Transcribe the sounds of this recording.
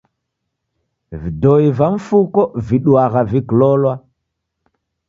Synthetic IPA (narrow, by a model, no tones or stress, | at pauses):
vidoivaɱfukoviɗuwaɣaviklolwa